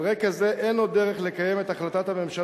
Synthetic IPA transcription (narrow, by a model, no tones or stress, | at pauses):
ʁekazeʔenod̪ːeʁeχle̞kaje̞me̞t̪aχlat̪at̪hame̞mʃa